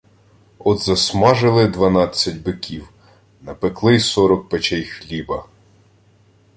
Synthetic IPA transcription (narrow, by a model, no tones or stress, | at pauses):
ɔd̪zɐsmɑʒɪlˠɪd̪ʋɐnɑt͡sʲːɐtʲbɪkʲiw | nɐpeklˠɪsɔɾɔk̚pet͡ʃɛjxlʲibɐ